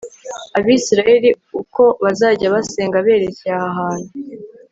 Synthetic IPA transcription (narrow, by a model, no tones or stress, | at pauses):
aβiːsiɾaje̞ɾi | uko̞βazaːɟaβaseːŋɡaβe̞ːɾe̞ceahaɦaːn̥hu